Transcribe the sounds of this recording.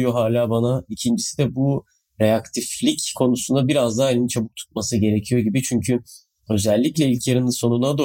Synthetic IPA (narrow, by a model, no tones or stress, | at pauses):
ijo̞ɦaːlʲaːbanaicʰind͡ʒisid̪ɛbu | ɾeakt̪ʰiflʲickʰo̞nusund̪abiɾazd̪aːelʲint͡ʃʰabɯk̚t̪ʰu̥t̪̚masɯɟe̞ɾe̞cʰijo̞ɟibit͡ʃʰyɲcʰy | ø̞zɛlʲːiclʲɛilʲcʰjaɾɯnɯnso̞nunad̪o